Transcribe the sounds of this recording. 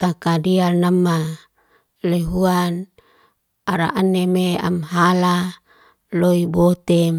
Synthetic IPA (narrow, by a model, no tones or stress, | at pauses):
t̪akadialnamːa | leɦuan | aɾa̰ʔanemea̰mɦala | loibot̪em